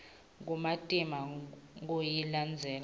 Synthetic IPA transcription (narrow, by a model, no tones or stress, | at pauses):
ŋɡumatʼimaŋojiland͡zʱɛːl